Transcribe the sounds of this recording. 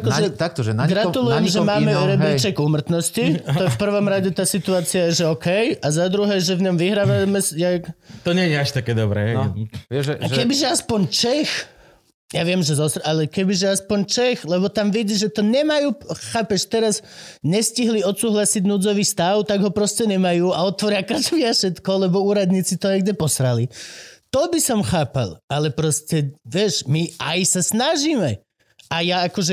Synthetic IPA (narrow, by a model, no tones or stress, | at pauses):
akɔʒɛt̪at̪ɛɡɾaulujjɛmʒɛmaːmɛɾɛbɾit͡ʃɛɡumr̩t̪nɔscit̪ɔjɛfpr̩ʋɔmɾaɟɛt̪aːsit̪uaːt͡siajɛʒɛɔkɛjazad̪ɾuɦɛːʒɛvɲɔmʋiɦɾaːʋamɛsjakt̪ɔɲɛɲɛaʃt̪akɛːd̪ɔbɾɛ̰ɛkɛbiʒɛaspɔɲt͡ʃɛx | jaʋɪɛmʒɛzɔsɾalɛkɛbiʒɛaspɔɲt͡ʃɛxlɛβɔt̪amʋɛɟiʒɛt̪ɔɲɛmajuːxaːpɛʃt̪ɛɾazɲɛsciɦliɔt̪suːɦlasiɟnud͡zɔʋiːst̪aʊt̪aɡɦɔpɾɔscɛɲɛmajuːaɔt̪ʋɔɾɪakazʋiaʃɛt̪kɔlɛbɔuːɾad̪ɲiːt͡sit̪ɔajɡdɛpɔsɾalit̪ɔbisɔmxaːpa̰lalɛpɾɔscɛʋɪɛʃmiajsasnaʒiːmɛ | ajaakɔʒɛ